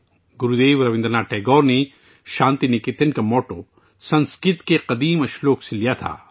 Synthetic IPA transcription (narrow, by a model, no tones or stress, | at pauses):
ɡʊɾud̪eːʋɾɐʋɪ̃nd̪ɾnaːʈɛːɡɔːɾne | ʃãːnt̪inekɪt̪enkamɔːʈo | sɐ̃nskɪt̪keqɐd̪iːmɐʃloːkselijat̪ʰa̰ː